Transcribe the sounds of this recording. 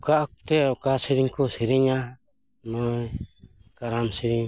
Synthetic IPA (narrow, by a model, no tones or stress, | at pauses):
kaɔk̚t̪ɛɔkasiɾiŋkɔsiɾiŋa | nɔjkaɾamsiɾiŋ